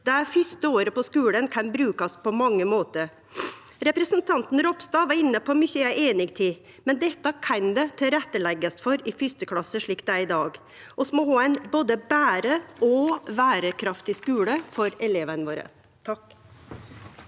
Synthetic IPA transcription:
d̪̥æfʏst̪əoːɾəpɔskʉːlənkʰɑnbɾʉːkɑspʰɔmɑŋːəmoːt̪əɾ | ɾɛpɾɛsənt̪ʰɑnt̪n̩ɾɔpst̪ɑːʋɑɾɪnːəpʰɔmʏçəæʔeːnɪɡt̪ʰiː | mɛnd̪ɛt̪ːɑkʰɑnd̪ɛt̪ʰɪɾɛt̪ːəlɛɡːəst̪fɔɾɪfʏst̪əkʰlɑsːəʂɭiːkt̪d̪æɪd̪ɑːɡ | ʔɔsmɔhoːɛnboːd̪əbæːɾəɔʋæːɾəkʰɾɑft̪ɪskʉːləfɔɾɛleːʋənʋoːɾə̰ | t̪ʰɑk

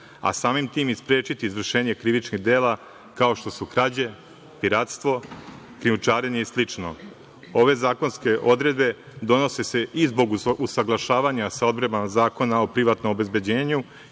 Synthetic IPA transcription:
a̰saːmimt̪iːmispɾe̞ːt͡ʃit̪iizʋr̩ʃeːɲe̞kɾiʋit͡ʃniɣd̪eːla | kao̞ʃt̪o̞sukɾad͡ʑe̞ | piɾat̪st̪ʋo̞ | kɾiut͡ʃaːɾeɲeislit͡ʃno̰ | o̞ʋe̞zaːko̞nske̞ʔo̞d̪ɾe̞d̪be̞ | d̪o̞no̞sese̞izbo̞ɡusaɡlˠaʃaːʋaɲasaod̪bɾebanazaːko̞nao̞pɾiʋat̪no̞mobe̞zbe̞d͡ʑeːɲu

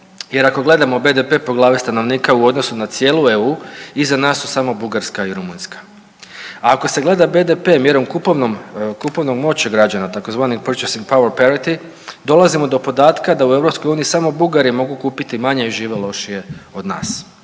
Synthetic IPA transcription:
je̞ɾako̞ɡle̞d̪amobe̞d̪epe̞po̞ɡlˠaːʋist̪ano̞ʋniːkauo̞d̪no̞sunat̪sje̞ːlˠueuːizanaːsːusamo̞buɡaɾskaiɾumunskḁ | aːko̞se̞ɡle̞d̪abe̞d̪epe̞ːmje̞ɾo̞mkupoʋnomkupo̞ʋno̞ɡmo̞t͡ɕaɡɾad͡ʑanat̪ako̞zʋaːnikpr̩t͡ʃesiŋɡ̚paweɾpaɾit̪i | d̪o̞lazimo̞d̪o̞po̞d̪aːt̪kad̪aue̞ʋɾo̞psko̞juːniisamo̞buɡaɾimo̞ɡukuːpit̪imaɲe̞iʒiːʋelˠo̞ʃije̞o̞d̪na̰ːs

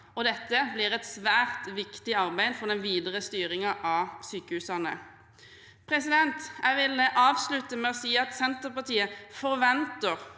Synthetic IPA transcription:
ɔd̪ɛt̪ːəblɪʁɛt̪sʋæːʁt̪ʋɪkt̪ɪɑʁbæɪd̪fɔd̪ɛnʋiːd̪ʁəst̪yːʁɪŋɑʔɑsyːkəhʉsɑnə̰ | pʰʁɛsɪd̪ɛnt̪jæɪʋɪləʔɑːʋslʉt̪əmɛɔsiːɑt̪sɛnt̪əʁpɑʁt̪ʰiːəfɔʁʋɛnt̪əʁ

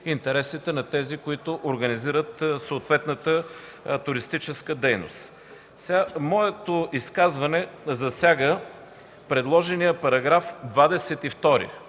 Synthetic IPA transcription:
int̪ɛɾɛsit̪ɛnɐt̪ɛzikʊit̪ʊʔoɾɡɐniziɾət̪soːt̪vɛt̪nət̪ə | t̪ʊɾist̪it͡ʃɛskəd̪ɛjnʊ̰st̪ | samɔɛt̪ʊiskazvɐnɛzɐsʲjaɡə | pɾɛd̪lˠɔʒɛnijəpɐɾɐɡɾafd̪vad̪ɛsɛt̪ift̪ɔɾḭ

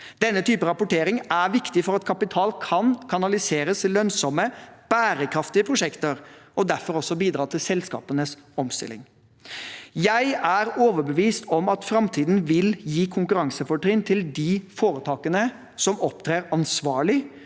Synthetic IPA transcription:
d̪̥ɛnːət̪ʰyːpəɾɑpʊʈeːɾɪŋæɾʋɪkt̪ɪfɔɾɑt̪kʰɑpɪt̪ʰɑːlkʰɑnkʰɑnɑlɪseːɾəslœnsɔməb̥æːɾəkʰɾɑft̪ɪəpʰɾʊʂɛkt̪əɾɔd̪æɾfɔɾɔsːɔbiːd̪ɾɑːt̪ʰɪlsɛlskɑ̰ːpənəsɔmst̪ɪ̰lːɪ̰ŋ | jæɪæɾoːʋəɾbəʋiːst̪ʰɔmɑt̪fɾɑmt̪ʰiːd̪n̩ʋɪljiːkʰʊŋkʉɾɑŋsəfɔʈɾɪnt̪ʰɪld̪ifoːɾət̪ʰɑːkənə | sɔmɔpt̪ʰɾeːɾɑnsʋɑːɭɪ

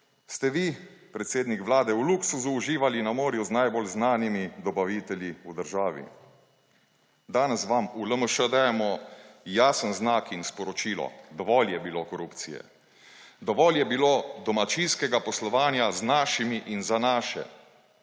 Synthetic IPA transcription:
st̪ɛʋipɾɛt̪seːd̪nikʋlaːd̪ɛuluksuzuːʒiːʋalinamoːɾjuznajbolznaːnimid̪ɔbaʋit̪ɛljiud̪əɾʒaːʋḭ | d̪aːnɛsʋamuləməʃəd̪ajɛmɔjaːsənznaːkinspɔɾɔt͡ʃiːlɔ̰d̪ɔʋɔljɛbiloːkɔɾupt̪sḭjɛ̰ | d̪ɔʋɔljɛbiloːd̪ɔmat͡ʃinskɛɡapɔslɔʋaːnjaznaːʃimiʔinzanaːʃɛ̰

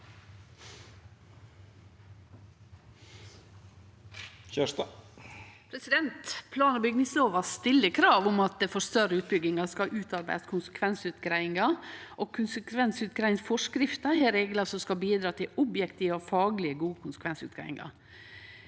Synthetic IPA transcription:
çæ | pʰɾɛsɪd̪ɛnt̪pʰlɑːnəbʏɡnɪsoːʋɑst̪ɪlːəkʰɾɑːʋʊmɑt̪̚d̪ɛfɔst̪œɾəʉːt̪̚bʏɡɪŋɑskɑʔʉːt̪ɑɾbæ̰ɪd̪skʰʊnsə̥kʰʋɛnsʉːt̪ɡɾæɪɪŋɑʔokʰʊnsəkʰʋɛnsʉːt̪̚ɡɾæɪnsfɔʂkɾɪft̪əhæːɾeːɡləsɔmskɑbiːd̪ɾɑːt̪ʰɪlʊbjɛkt̪iːʋəɔfɑːɡlɪəɡuːəkʰʊnsə̥kʰʋɛnsʉ̰ːt̪̚ɡɾæ̰ɪɪ̰ŋɑ̰ɾ

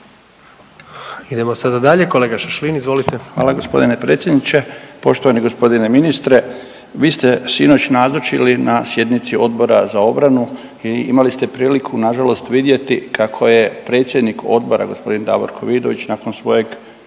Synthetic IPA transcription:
id̪e̞mosad̪ad̪aʎeko̞leɡaʃaʃlinizʋo̞lit̪eʋaːlaɡo̞spo̞̰d̪ine̞pɾe̞t̪sʲjed̪nit͡ɕe̞po̞ʃt̪oʋaniɡo̞spo̞d̪ine̞minist̪ɾe̞ | ʋiːst̪e̞sino̞t͡ɕnazot͡ʃilinasje̞d̪nit̪sio̞d̪bo̞ɾa̰zao̞bɾanu | iimalist̪e̞pɾiːlikʰunaʒalo̞st̪ʋid̪je̞t̪ikakʰo̞je̞pɾe̞ːt̪sje̞d̪niko̞̰d̪̚bo̞ɾa̰ɡo̞spo̞d̪ind̪a̰ʋo̰ɾkʰo̞ʋid̪o̞ʋit͡ɕnaːkonsʋo̞je̞ɡ

